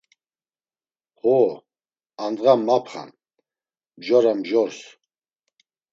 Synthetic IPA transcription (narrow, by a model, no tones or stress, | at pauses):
hɔ | and̪ʁamːapʰχa̰n | mʒɔɾamʒɔɾs